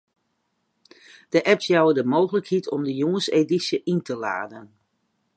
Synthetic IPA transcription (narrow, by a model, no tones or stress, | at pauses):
d̥əʔɛpsjawədəmoːɣələkhitʰɔmdəjoŋəsedisjəʔintʰəla̰ːdən